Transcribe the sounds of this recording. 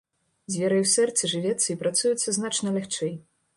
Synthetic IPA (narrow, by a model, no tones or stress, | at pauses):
zʲvʲɛɾɐjwsɛrt̪sɨʐɨvʲɛt̪sːɐipɾat̪sujut̪sːɐznat͡ʂnɐlʲaxt͡ʂɛj